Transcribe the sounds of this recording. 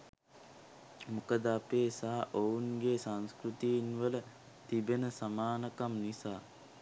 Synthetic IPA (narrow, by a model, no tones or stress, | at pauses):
mukəd̪apeːsaɦa̰ʔounɡesanskɾut̪ijinʋələ | t̪ibenəsamaːnəkamnisaː